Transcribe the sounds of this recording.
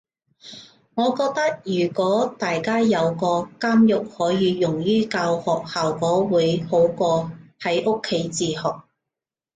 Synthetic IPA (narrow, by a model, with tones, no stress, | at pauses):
ŋɔː˨˧kɔː˧k̚t̪ɐ˥k̚jyː˨˩kʷɔː˨˥t̪aː˨jkaː˥jɐ˨˧wkɔː˧kaː˥mjʊ˨k̚hɔː˨˥jiː˨˧jʊ˨˩ŋjyː˥kaː˧whɔː˨k̚haː˨wkɔː˨˥wuː˨˧jho˨˥wkɔː˧hɐ˨˥jʔʊ˥kʰːe˨˥jt͡siː˨˧hɔː˨k̚